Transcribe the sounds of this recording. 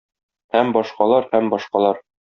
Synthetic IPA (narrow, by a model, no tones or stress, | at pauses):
hæmbɒʃqɑlˠɑɾhæmbɒʃqɑlˠɑɾ